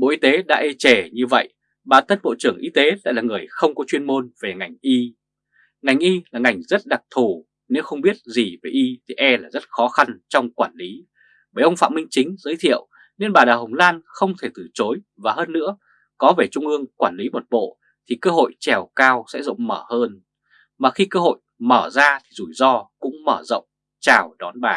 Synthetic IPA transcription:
ɓo̰˧˨ʔi˧t̪e˨˦ɗa̰ː˧˥ʔe˧t͡ɕɛ˧˩ɲɨ˧və̰˧˨j | ɓaː˨˩nt̪ʰə˧nɓo̰˧˨t͡ɕɨ˧˩əŋʔi˨˧˦t̪e˨˦la̰ː˧˥laː˨˩ŋɨ˨˩əjxə˧wŋ͡mkɔ˨˦t͡ɕwi˧ənmo˧nve˨˩ŋa˨˩jŋ̟ʔi˧ | ŋa˨˩jŋ̟ʔi˧laː˨˩ŋa˨˩jŋ̟zə˦˥t̚ɗa˨˩k̚t̪ʰu˨˩ | ne˨˦wxə˧wŋ͡mɓi˦˥ət̚zi˨˩ve˨˩ʔi˧t̪ʰi˨˩ʔɛ˧laː˨˩zə˦˥t̚xɔ˨˦xa˧nt͡ɕɔ˧wŋ͡mkwaː˧˩nli˨˦ | ɓəː˨˩ʔə˧wŋ͡mfa̰˧˨mï˧ŋ̟t͡ɕï˨˦ŋ̟zəː˨˦jt̪ʰḭ˧˨əw | ne˧nɓaː˨˩ɗaː˨˩ɦə˨˩wŋ͡mlaː˧nxə˧wŋ͡mt̪ʰe˧˩t̪ɨ˨˩t͡ɕo˨˦j | vaː˨˩ɦəː˧nːɨ̰˧˥ə | kɔ˨˦ve˨˩t͡ɕʊ˧ŋ͡mʔɨ˧əŋkwaː˧˩nli˨˦mo˨˩t̚ɓo̰˧˨ | t̪ʰi˨˩kəː˧ɦo̰˧˨jt͡ɕɛ˨˩wkaː˧wsɛ̰˧˥zə̰˧˨wŋ͡mməː˧˩həː˧n | maː˨˩xi˧kəː˧ɦo̰˧˨jməː˧˩zaː˧t̪ʰi˨˩zu˧˩jzɔ˧kʊ̰˧˥ŋ͡mməː˧˩zə̰˧˨wŋ͡m | t͡ɕaː˨˩wɗɔ˨˦nɓaː˨˩

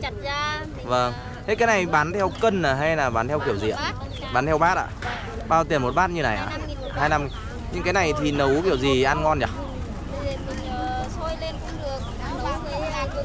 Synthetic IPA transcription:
aː˧ | va˧˩ŋ | t̪ʰe˨˦˥kaː˨˦jna˨˩jɓaː˨˦nt̪ʰɛ˧wkə˧nnaː˨˩ɦa˧jlaː˨˩ɓaː˨˦nt̪ʰɛ˧wki˧˩əwzḭ˧˨əʔ | ɓaː˨˦nt̪ʰɛ˧wɓaː˦˥t̚ʔa̰ː˧˨ | ɓaː˧wt̪i˨˩ə˩mo˨˩t̚ɓaː˦˥t̚ɲɨ˧na˨˩jʔa̰ː˧˩˧ | haː˧jna˧m˧˦ | ɲɨ˧ŋkaː˨˦jna˨˩jt̪ʰi˨˩nə˨˦wki˧˩əwzi˨˩ʔaː˧nŋɔ˧nt͡ɕa˨˩˧ | e˨˩mï˨˩ŋ̟ː˨˩so˧jle˧nkʊ̰˧˥ŋ͡mɗɨ˨˩ək̚ːə˨˧˦ə˨˦˨

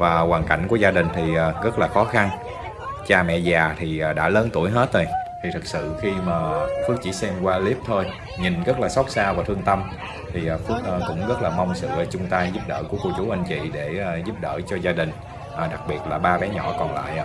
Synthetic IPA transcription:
vaː˨˩ɣwaː˨˩nka̰˧˩jŋ̟ku˧˩əzaː˧ɗï˨˩ŋ̟t̪ʰi˨˩ʔaː˨˩ɣə˦˥t̚laː˨˩xɔ˨˦xa˧n | t͡ɕaː˧mɛ̰˧˨zaː˨˩t̪ʰi˨˩ʔaː˨˩ɗa̰ː˧˥ləː˨˦nt̪u˧˩əjɦe˦˥t̚t̪o˧jt̪ʰi˨˩t̪ʰɨ˨˩k̚sɨ̰˧˨xi˧maː˨˩fɨ˦˥ək̚t͡ɕḭ˧˩˦sɛ˧mkwaː˧li˦˥əp̚t̪ʰo˧j | ɲi˨˩nɣə˦˥t̚laː˨˩sa˦˥wk͡p̚saː˧vaː˨t̪ʰɨ˧əŋt̪ə˧m | t̪ʰi˨˩ʔːfɨ˦˥ək̚ʔːkʊ̰˧˥ŋ͡mɣə˦˥t̚laː˨˩ma˧wŋ͡msɨ̰˧˨t͡ɕʊ˨˧˦ŋ͡mt̪aː˧jzu˦˥p̚ɗə̰ː˧˩ku˧˩əko˧˩t͡ɕu˨˦ʔa˧jŋ̟t͡ɕḭ˧˨ɗeː˧˩˨zu˦˥p̚ɗəː˧˩t͡ɕɔ˧zaː˧ɗï˨˩ŋ̟ | ʔəː˨˩ɗa˨˩k̚ɓi˨˩ət̚laː˨˩ɓaː˧vɛ˨˦ɲɔ̰˧˩kɔ˨˩nla̰ː˧˨jʔ

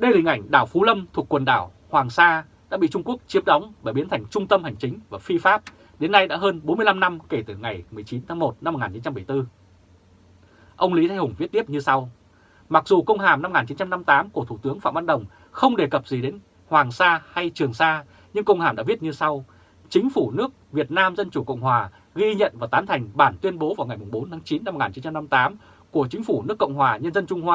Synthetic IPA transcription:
ɗə˧jlï˨˩ŋ̟ʔa̰˧˩jŋ̟ɗaː˧˩wfu˨˦lə˧mt̪ʰu˨˩əkːwə˨˩nɗa̰ː˧˩w | hwaː˨˩ŋsaː˧ | ɗa̰ː˧˥ɓḭ˧˨t͡ɕʊ˧ŋ͡mku˦˥ək̚t͡ɕi˧˦əm̚ɗɔ˨˦wŋ͡mɓaː˧˩ɓi˨˦ənt̪ʰa˨˩jŋ̟t͡ɕʊ˧ŋ͡mt̪ə˧mha˨˩jŋ̟t͡ɕï˨˦ŋ̟vaː˨˩fi˧faː˦˥p̚ | ɗe˨˦nːa˧jɗa̰ː˧˥ɦəː˧nɓo˨˦nmɨ˧əjla˧mna˧mke˧˩t̪ɨ˧˩ŋa˨˩jmɨ˨˩əjt͡ɕi˨˦nt̪ʰaː˨˦ŋmo˨˩t̚na˧m̚ː˨˩ŋaː˨˩t͡ɕi˨˦t͡ɕa˧mɓə˧˩jt̪ɨ˧ | ʔə˧wŋ͡mli˨˦t̪ʰŋhʊ˨˩ŋ͡mvi˦˥t̚t̪i˦˥əp̚ɲɨ˧sa˧w | ma˨˩k̚zu˨˩kə˧wŋ͡mɦaː˧˩mna˧m˨ŋaː˨˩nt͡ɕi˨˦nt͡ɕa˧mna˧mt̪aː˨˦mku˧˩ət̪ʰu˧˩t̪ɨ˨˦əŋfa̰ː˧˨mvaː˧nɗə˨˩wŋ͡m | xə˧wŋ͡mɗe˨˩kə˨˩p̚zi˨˩ɗe˨˦n | hwaː˨˩ŋsaː˧ha˧jt͡ɕɨ˨˩əŋsaː˧ | ɲɨ˧ŋkə˧wŋ͡mhaː˧˩mɗa̰ː˧˥vi˦˥t̚ɲɨ˧sa˧w | t͡ɕï˨˦ŋ̟fu˧˩nɨ˦˥ək̚vi˨˩ət̚naː˧mzə˧nt͡ɕu˧˩kə̰˧˨wŋ͡mhɦwaː˨˩ | ɣi˧ɲə̰˧˨nvaː˨˩t̪aː˨˦mt̪ʰa˨˩jŋ̟ɓaː˧˩nt̪wi˧ənɓo˨˦vaː˨˩wŋa˨˩jmʊ˨˩ŋ͡mɓo˨˦nt̪ʰaː˨˦ŋt͡ɕi˨˦nːa˧m̚ː˨˩ŋaː˨˩t͡ɕi˨˦nt͡ɕa˧mna˧mt̪aː˨˦m | ku˧˩ət͡ɕï˨˦ŋ̟fu˧˩nɨ˦˥əkːə̰˧˨wŋ͡mɦwaː˨˩ɲə˧nzə˧nt͡ɕʊ˧ŋ͡mhwaː˧

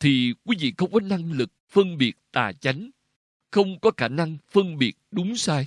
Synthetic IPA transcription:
t̪ʰi˨˩kwi˨˦vḭ˧˨xə˧wŋ͡mkɔ˨˦na˧ŋlɨ˨˩k̚fə˧nɓi˨˩ət̚t̪a̰ː˨˩t͡ɕa˨˦jŋ̟ | xə˧wŋ͡mkɔ˨˦xaː˧˩na˧ŋfə˧nɓi˨˩ət̚ɗʊ˨˦ŋ͡msaː˧j

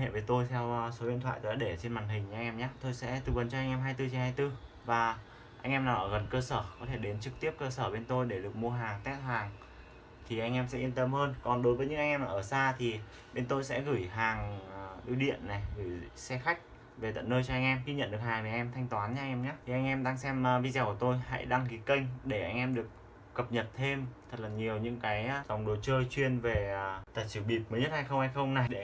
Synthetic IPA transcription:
hḛ˧˨və˨˦jt̪o˧jt̪ʰɛ˧wso˨˦ɗḭ˧˨t̪ʰwa̰ː˧˨jt̪ːɗa̰ː˧˦ɗe˧˩t͡ɕe˧nmaː˨˩ŋɦï̟˨˩˧jʔɛ˧mɲaː˨˦˥t̪o˧jsɛ̰˧˥t̪ɨ˨˩və˨˩nt͡ɕɔ˧ʔa˧ŋ̟ʔɛ˧mɦaː˧jt̪ɨ˧t͡ɕi˨˦haː˧jt̪ɨ˧ | vaː˨˩ | ʔa˧ŋ̟ʔɛ˧mnaː˨˩wʔəː˧˩ɣə˨˩nkəː˧səː˧˩kɔ˨˦t̪ʰe˧˩ɗe˨˦nt͡ɕɨ˨˩k̚t̪i˦˥əp̚kəː˧səː˧˩ɓe˧nt̪o˧jɗe˧˩ɗɨ˨˩ək̚mu˧əɦaː˨˩ŋt̪ɛ˦˥t̚haː˨˩ŋ | t̪ʰi˨˩ʔa˧jŋ̟ʔɛ˧msɛ̰˧˥ʔi˧nt̪ə˧mhəː˧nkɔ˨˩nɗo˨˦jvəː˨˦jɲɨ̰˧˥ŋʔa˧jŋ̟ɛ˧mnaː˨˩ʔəː˧˩saː˧t̪ʰi˨˩ | ɓe˧nt̪o˧jsɛ̰˧˥ɣɨ˧˩jɦaː˨˩ŋ˩ʔu˧ɗḭ˧˨ənːa˨˩jɣɨː˧˩jsɛ˧xa˦˥k̟̚ | ve˨˩t̪ə̰˧˨nːəː˧jt͡ɕɔ˧ʔa˧ŋ̟ʔɛ˧mɣi˧ɲə̰˧˨nɗɨ˨˩ək̚haː˨˩jma˨˩˨ʔɛ˧mt̪ʰa˧jŋ̟t̪waː˨˦nɲa˧ŋʔɛ˧mɲaː˦i˨˩ʔa˧ŋʔɛ˧mɗa˧ŋsɛ˧mː˧vi˧zaː˧˩ku˧˩t̪o˧jha̰˧˥jɗa˧ŋki˨˦kə˧jŋ̟ɗe˧˩ʔa˧jŋ̟ʔɛ˧mɗɨ˨˩ək̚ː | ə˨˩p̚ɲə˨˩t̚t̪ʰe˧mt̪ʰə˨˩t̚laː˨˩ɲi˨˩əwɲɨ̰˧˥ŋkaː˨˦jza˨˩wŋ͡mɗo˨˦t͡ɕəː˧jt͡ɕwi˧ənve˨˩t̪aəː˨˩t͡ɕɨ˧˩ɓi˨˩p̚məː˨˦ɲə˦˥t̚ha˧jxə˧wŋ͡mha˧jxə˧wŋ͡mna˨˩jɗe˧˩

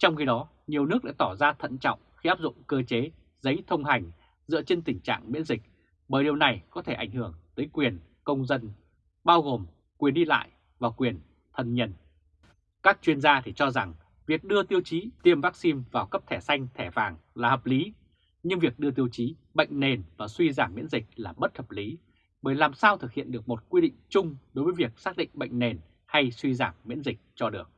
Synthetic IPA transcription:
t͡ɕɔ˧wŋ͡mxi˧ɗɔ˨˦ | ɲi˨˩əwnɨ˦˥ək̚ɗa̰ː˧˥t̪ɔ˧˩zaː˧t̪ʰə̰˧˨nt͡ɕɔ̰˧˨wŋ͡mxi˧ʔaː˦˥p̚zʊ̰˧˨ŋ͡mkəː˧t͡ɕe˨˦ | zə˨˦jt̪ʰə˧wŋ͡mɦa˨˩jŋ̟ | z̥ɨ̰˧˥ət͡ɕe˧nt̪ï˨˩ŋ̟t͡ɕa̰ː˧˨ŋmḭ˧˥ənzï˨˩k̚ | ɓəː˨˩jɗi˨˩əwna˨˩jkɔ˨˦t̪ʰe˧˩ʔa̰˧˩ŋ̟hɨ˧˩əŋt̪əː˨˦jkwi˨˩ən | kə˧wŋ͡mzə˧n | ɓaː˧wɣo˨˩m | kwi˨˩ənɗi˧la̰ː˧˨j | vaː˨˩wkwi˨˩ən | t̪ʰə˨˩nɲə˨˩n | kaː˦˥k̚t͡ɕwi˧ənzaː˧t̪ʰi˨˩t͡ɕɔ˧za˨˩ŋ | vi˨˩ək̚ɗɨ˧ət̪i˧əwt͡ɕi˨˦t̪i˧əmvaː˦˥k̚si˧nvaː˨˩wkə˦˥p̚t̪ʰɛ˧˩sa˧jŋ̟t̪ʰɛ˧˩vaː˨˩ŋlaː˨˩həː˨˩p̚li˨˦ | ɲɨ˧ŋvi˨˩ək̚ɗɨ˧ət̪i˧əwt͡ɕi˨˦ | ɓə̰˧˨jŋ̟ne˨˩nvaː˨˩swi˧zaː˧˩mːḭ˧˥ənzï˨˩k̚laː˨˩ɓə˦˥t̚həː˨˩p̚li˨˦ | ɓəː˨˩jlaː˨˩msaː˧wt̪ʰɨ˨˩k̚hḭ˧˨ənɗɨ˨˩ək̚mo˨˩t̚kwi˧ɗḭ̈˧˨ŋ̟t͡ɕʊ˧ŋ͡mɗo˨˦jvəː˨˦vi˨˩ək̚saː˦˥k̚ɗḭ˧˨ŋ̟ɓə̰˧˨jŋ̟ne˨˩n | ha˧jswi˧zaː˧˩mːḭ˧˥ənzï˨˩k̟̚t͡ɕɔ˧ɗɨ˨˩ək̚

